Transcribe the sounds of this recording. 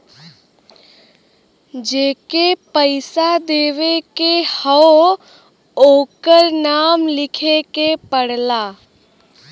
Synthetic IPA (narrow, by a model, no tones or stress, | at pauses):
d͡ʒeːkepəɪsad̪eːʋekehəo | oːkəɾnaːmlɪkʰekepəɽlaː